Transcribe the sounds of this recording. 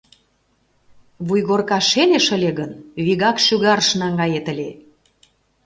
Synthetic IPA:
βujɣorkɑʃeleʃə̆lʲeɣənβiɣɑkʃyɣɑɾʃnɑŋɡɑjet̪ə̆lʲe

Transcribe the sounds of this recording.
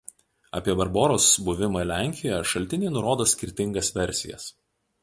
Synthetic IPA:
ɐ̰ːpʲiɛbɐɾboːɾoːsbʊʋʲɪmɐlʲæˑŋʲkʲɪjjɛʃɐlʲt̪ʲɪnʲeːnʊɾoːd̪oːsʲkʲɪɾʲt̪ʲɪŋɡɐsʋʲɛɾʲˑsʲɪ̰jɛ̰s

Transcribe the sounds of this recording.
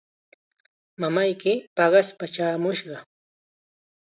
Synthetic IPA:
mamajkɪpɑɢɑspat͡ʃaːmʊʃɢɑ

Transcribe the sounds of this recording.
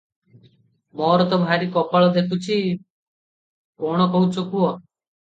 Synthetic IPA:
mɔɾɔt̪ɔbʱaɾikɔpaɭɔd̪ʱet̪ut͡ʃʰi | kɔɽ̃ɔkɔɦut͡ʃʰɔkuɔ

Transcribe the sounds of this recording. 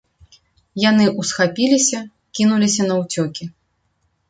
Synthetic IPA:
janɨʔusxapʲilʲisʲɐ | kʲinulʲisʲɐnɐwt͡sʲɔkʲi

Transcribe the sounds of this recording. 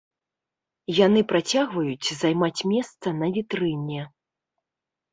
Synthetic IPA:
janɨpɾat͡sʲaɣvɐjut͡sʲzajmat͡sʲmʲɛst̪sɐnɐvʲit̪ɾɨnʲɛ

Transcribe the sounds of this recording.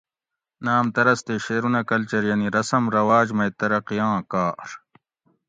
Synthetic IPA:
naːmt̪ɐɾɐst̪eɕeːɾunɐkɐlt͡ɕɐɾjɐniɾɐsɐmɾɐwaːd͡ʑmɐjt̪ɐɾɐqijãːkaːɾ

